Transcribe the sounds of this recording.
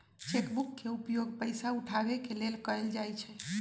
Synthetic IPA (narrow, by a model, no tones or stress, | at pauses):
t͡ʃekbukːeupjoɡpəjsauʈʰabɛkelelkəld͡ʒajt͡ʃʰɛ